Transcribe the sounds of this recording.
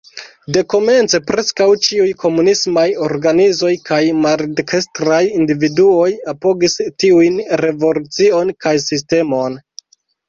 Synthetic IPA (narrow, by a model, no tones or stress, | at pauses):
de̞ko̞me̞nt͡se̞pɾe̞skawt͡ʃiujkʰo̞munismajo̞ɾɡanizo̞jkajmaɾdkʰestɾajindividuo̞japo̞ɡistiujnɾe̞vo̞lut͡sio̞nkajsiste̞mo̞n